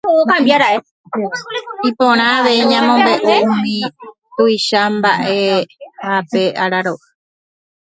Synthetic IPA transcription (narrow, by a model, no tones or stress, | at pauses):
oopãmbjaɾaʔe | ipõɾ̃ãːʋe̞iɲãmõmbe̞ʔoumĩ | t̪uiʃambaʔe̞hape̞ʔaɾaɾoʔɨ